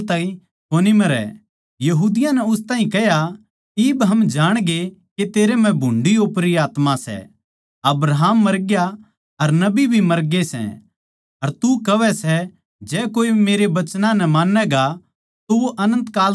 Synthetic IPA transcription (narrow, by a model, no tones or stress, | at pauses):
t̪ãːĩ | koːnimɐɾɛ̰ | jɐɦuːd̪ɪjãnɛʊst̪aːɦĩkɛɦja | ɪːbɦɐmd͡ʒaːɽ̃ɡeket̪eːɾem̤ɛ̃bʱʊ̃ɳɖioːpɾiaːt̪mãsɛ̰ | ɐbɾaɦaːmːɐɾɡja | ɐɾnɐbibʱimɐɾɡesɛ̰ | ɐɾt̪ukɐʋɛsɛ | d͡ʒɛːkoːibimeːɾebɐt͡ʃnãnɐmaːnːɛɡa | t̪oʋoʔɐnə̃nt̪kaːl